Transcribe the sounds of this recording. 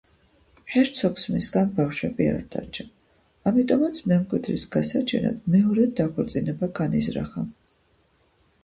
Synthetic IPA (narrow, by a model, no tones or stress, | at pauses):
ħɛɾt̪sʰɔksmisɡanbafʃwɛbia̰ɾd̪a̰ɾt͡ʃʰa | amit̪ʼɔmat̪sʰmɛmkʼwid̪ɾisɡasat͡ʃʰɛna̰d̪̥mɛɔɾɛd̪aχʰɔɾt̪sʼinɛbaɡanḭzɾa̰χa